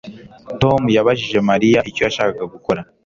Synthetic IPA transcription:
to̞mujaβaʒiʒe̞maɾijaʔico̞jaʃaːkaɡaɡuko̞ɾa

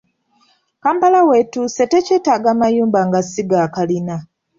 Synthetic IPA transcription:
kaːmpalawe̞tuːse̞te̞ceːtaːɡaːmajuːmbaŋɡasiɡakalina

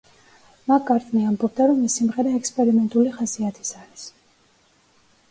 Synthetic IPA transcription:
makʼːaɾt̪ʼniambɔb̚d̪aɾɔmːisimʁɛɾaɛkspʼɛɾimɛnt̪ʼuliχasiat̪ʰi̥saɾis

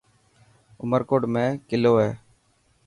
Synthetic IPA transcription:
ʊməɾkoːɖmẽːkɪloːɦeː

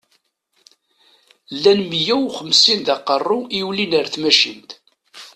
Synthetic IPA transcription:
lːænmjæwuχəmsinðɑqərˤːuʔiwlinəɾθmæʃḭnt̪

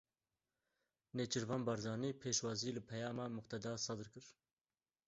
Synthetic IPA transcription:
neːt͡ʃʰɨɾvɑːnbɑɾzɑːniːpʰeːʃwɑːziːlɨpʰɛjɑːmɑmʊqt̪ʰɛd̪ɑːsɑd̪ɨɾkɨɾ

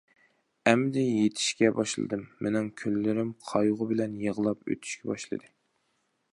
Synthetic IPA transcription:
ɛmːɪd̪ɛjet̪ʰɪ̥ʃkʲɛbɑʃlˠɨ̰d̪ɨmːenɪŋkʲʰølːɪɾɪmqʰɑjʊʁʊbɪlɛnjəʁəlˠɑpø̰t̪ʰy̥ʃkʲʰɛbɑʃlˠɨ̰d̪ɨ

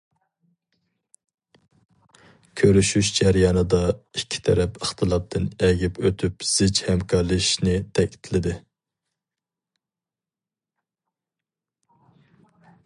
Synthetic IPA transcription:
kʲʰøɾyʃyʃd͡ʒæɾjɑnɨd̪ɑikʲʰːi̥t̪ʰɛɾɛpəχt̪ʰɨlˠɑp̚t̪ʰɨnɛɡʲipʰøt̪ʰypz̥ɪt͡ʃhɛmkʰɑɾlˠɨʃnɪt̪ʰɛkʲi̥t̪ʰlɪd̪ɪ

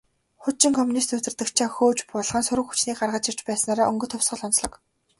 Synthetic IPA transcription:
χʊt̚t͡ɕĭŋkʰɔmunist̪ɵt̪ɘ̆rt̪ɘ̆kt͡ɕʰaːxoːt͡ɕpʊɮʁə̆nsʊɾɘ̆kxu̥t͡ɕniːkɢarʁə̆t͡ɕir̥t͡ɕpæːsnaːɾaːʔɵŋɡɵ̆t̪ʰʊwsʁə̆ɮɔnt͡sɮɞ̆k

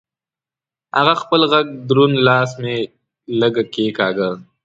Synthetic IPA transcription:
ha̰ɣaxpəlɣaɡ̚d̪ɾunlɑːsme | ləɡakekɑɡə

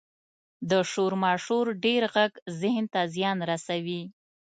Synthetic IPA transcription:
d̪əʂoɾmɑʃoɾɖeɾɣaɡzɪhnt̪azjɑnɾasawi

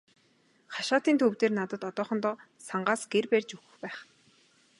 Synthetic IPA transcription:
χaʃaːt̪iːnt̪ʰɵwt̪eːrnat̪ə̆t̪ɔt̪ɔːχɞ̆nt̪ɔː | saɴɢaːsɡ̥erpærʲt͡ɕɵxɵ̆xpæːχ

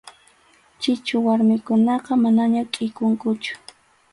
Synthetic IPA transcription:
t͡ʃɪt͡ʃʊwaɾmɪkʊnɑqɑmanaɲakʼɪjkʊŋkʊt͡ʃʊ̥

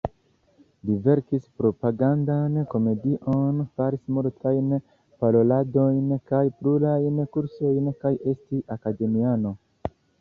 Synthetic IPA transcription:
live̞ɾkispɾo̞paɡandanko̞me̞diʔo̞nfaɾismuɾtʰajn | palo̞lado̞jnkajplulajnkuɾso̞jnkaje̞stiʔakade̞miano̞

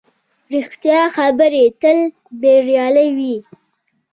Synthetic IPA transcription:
ɾixt̪jɑxabəɾet̪əl | beɾjɑlawi

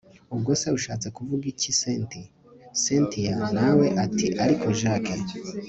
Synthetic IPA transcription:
ubɡo̞ːseuʃaːt͡se̞kuvuɡicisenti | sentijanawe̞ʔatiʔaɾikʰo̞ʒaːkʰe

